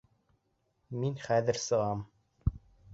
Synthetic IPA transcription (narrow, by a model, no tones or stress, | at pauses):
minχæðɘ̆ɾsɤ̆ʁɑm